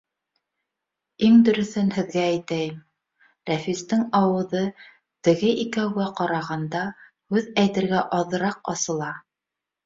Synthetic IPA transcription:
iŋd̪ɵ̆ɾɵ̆θɘnhɘ̆ðɡæːjt̪æjɘm | ɾæfist̪ɘŋɑwɤ̆ðɤ | t̪ɘ̆ɣɘʔikæwɡæqɑɾɑʁɑnd̪ɑ | hʉðæjt̪ɘ̆ɾɡæʔɑðɤ̆ɾɑq̚ɑsɤ̆lˠɑ

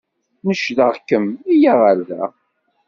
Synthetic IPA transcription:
nəʃðəʁkəmijaʁalðæ̰

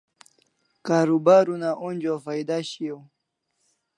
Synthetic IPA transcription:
kaːɾubaːɾunaʔund͡ʑofajd̪aɕiow

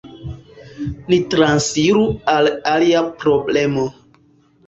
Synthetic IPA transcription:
nitɾansiɾualaliapɾoblemo

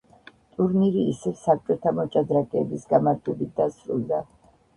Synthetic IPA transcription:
t̪ʼuɾniɾiːsɛvsak̚ʼt͡ʃʼwɛt̪ʰamɔt͡ʃʼad̪ɾakʼɛːbisɡamaɾt̪ʰɛbit̪̚d̪asɾṵlˠd̪a

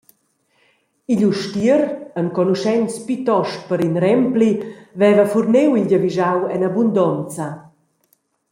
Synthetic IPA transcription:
iʎuʃtiəɾənkɔnuʃɛnt͡spyt̪ɔʃt̚pəɾinɾɛmplivɛvafurnewilɟəviʒawɛnabund̪ɔnt͡sa

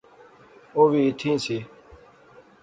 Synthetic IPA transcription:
oːʋiːɪt̪ʰĩːsiː

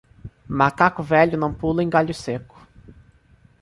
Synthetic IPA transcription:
makakʊvɛʎʊnɐ̃w̃pulʊẽj̃ɡaʎʊsekʊ̥

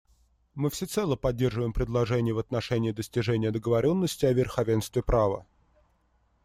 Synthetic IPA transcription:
mɨfsʲɪt̪sɛlˠəpɐdʲːe̞rʐəvəjɪmpɾʲɪd̪lˠɐʐɛnʲɪjəvɐt̪nɐʂɛnʲɪːd̪əsʲtʲɪʐɛnʲɪjəd̪əɡəvɐɾʲo̞nːəsʲtʲɪɐvʲɪrxɐvʲe̞nst̪vʲɪpɾavə̰

